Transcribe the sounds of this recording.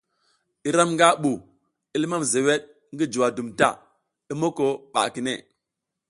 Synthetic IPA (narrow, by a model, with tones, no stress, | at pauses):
i˦ɾa˦mŋɡa˦ɓu˨ | i˦lma˦m˨ze˨we˦ɗ̚ | ŋɡi˦d͡ʒu˨wa˨du˨mta̰˦˨ | i˦mo˦ko˨ɓa̰˨ki˨nḛ˦˨